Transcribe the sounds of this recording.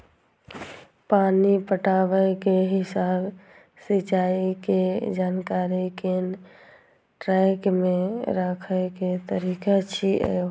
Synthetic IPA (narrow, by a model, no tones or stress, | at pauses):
paːnipəʈaːʋəjkeɦɪsaːb | sit͡ʃaːiked͡ʒaːnkaːɾiken | ʈɾɛkmẽɾəkʰəket̪əɾiːkat͡ʃʰiʔɛ̰